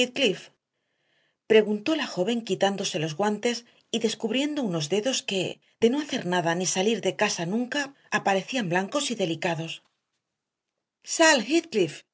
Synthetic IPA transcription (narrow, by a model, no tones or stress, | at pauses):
it̪̚klif | pɾe̞ɣunt̪o̞laxo̞βe̞ŋkit̪and̪o̞se̞lo̞zɣwant̪e̞s | iðe̞skuβɾje̞nd̪o̞uno̞zðe̞ðo̞ske̞ | ð̥e̞no̞aθe̞ɾnaðanisaliɾðe̞kasanũŋkaː | paɾe̞θiamblaŋko̞siðe̞likaðo̞s | salxit̪klif